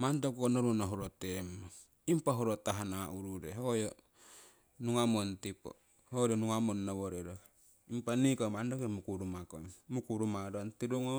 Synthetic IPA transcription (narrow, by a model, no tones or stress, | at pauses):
mantokkonoɾunaɦoɾot̪emo | impaɦoɾot̪aɦanaʔuɾuɾeɦojo | nuŋamontipo̰ | hoɾonuŋamonːaβoɾeɾo | impanikomandokemukuɾumakommukuɾumadontiduŋo